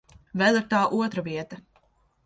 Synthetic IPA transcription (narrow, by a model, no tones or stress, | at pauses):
vɛlˠiɾt̪aːʔuɔt̪ɾaviɛt̪ɐ